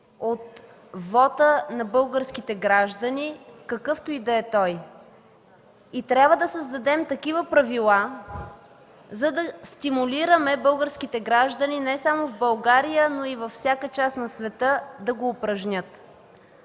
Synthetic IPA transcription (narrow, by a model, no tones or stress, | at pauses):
ot̪ | vɔt̪ənɐbɤlˠɡəɾsk̟it̪ɛɡɾaʒd̪ənikɐkɤft̪oid̪ɛːt̪ɔj | it̪ɾʲabvəd̪ɐsəzd̪ɐd̪ɛmt̪ɐkivəpɾɐvilˠa | zɐd̪ɐst̪imuliɾəmɛbɤlˠɡəɾskit̪ɛɡɾaʒd̪əninɛsamovbəlˠɡaɾijənoivɐfsʲjakət͡ʃasnɐsvɛt̪ɤd̪ɐɡoːpɾɐʒnʲət̪